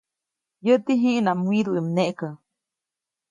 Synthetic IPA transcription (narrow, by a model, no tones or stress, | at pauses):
jəʔt̪iɦĩʔnamwiɾuimneʔkə